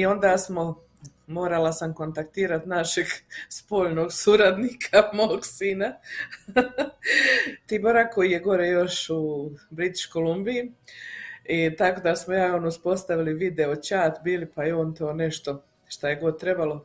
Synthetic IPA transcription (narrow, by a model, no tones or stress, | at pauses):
io̞nd̪aːsmo̞ | mo̞ːɾalasamko̞nt̪akt̪iːɾat̪naʃeɡspo̞ːʎno̞ːɡsuɾad̪nikʰamoːɡsiːna | t̪iːboɾakko̞jijeɡo̞ɾejo̞ʃubɾit̪i̥t͡ʃkolˠumbiji | it̪ako̞d̪asmojaːonuspo̞st̪aʋiliʋid̪e̞ot͡ɕaːt̪biːlipajeoːnt̪oːne̞ʃt̪o̞ | ʃt̪aje̞ɡo̞d̪̚t̪ɾe̞balˠo̞